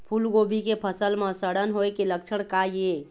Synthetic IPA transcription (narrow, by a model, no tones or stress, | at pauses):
pʰulɡobʱikepʰəsəlmasəɽənɦojkelək̚t͡ʃʰəɽ̃kaie